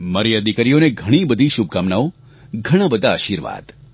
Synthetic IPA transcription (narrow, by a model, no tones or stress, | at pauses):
məɾjəd̪ʱikaɾijoneɡʱəɽ̃ibəd̪ʱiʃub̚ʱkamnao | ɡʱəɽ̃abəd̪ʱaaʃiɾʋa̰d̪̥